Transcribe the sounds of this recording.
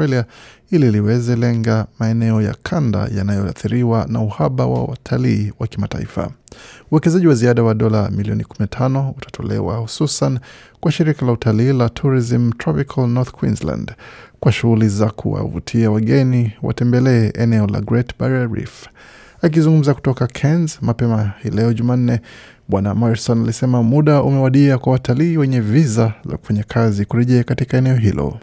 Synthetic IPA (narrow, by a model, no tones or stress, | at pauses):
ɛliaililiwɛzɛlɛŋɡamaɛnɛɔja̰kʰanda̰janajɔaθiɾiwanauhaɓawa̰wa̰tʰaliːwakimata̰ḭfa̰uwɛkɛzaʄiwaziaɗawaɗɔlamiliɔnikuminatʰanɔutʰḁtʰɔ̰lɛ̰wa̰hususankwaʃiɾikalautʰaliːlatʰuɾizim̩tɾɔpikʰalnɔɾθkwḭnslã̰ndkwaʃuɣulizakʰṵwa̰vṵtʰiawaɠɛniwa̰tɛmbɛlɛːʔɛnɛɔla̰ɡɾɛtbaɾaɾḭf | ak̬izuŋɡum̩zaku̥tɔkakʰɛnzmapɛmahilɛɔʄuman̩nɛ | ɓwana̰maɾsɔnalisɛmamuɗaumɛwaɗiakwawatʰaliːwɛɲɛvizaza̰ku̥faɲakʰazikuɾɛʄɛakatikaɛnɛɔɦilɔ̰